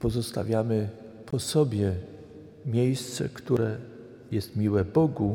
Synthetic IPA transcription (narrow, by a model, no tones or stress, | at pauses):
pɔzɔst̪a̰vʲjamɘ | pʰɔsɔbʲjɛ | mʲjejst̪sɛ̰kt̪uɾɛ | jɛst̪mʲiwɛbɔɡu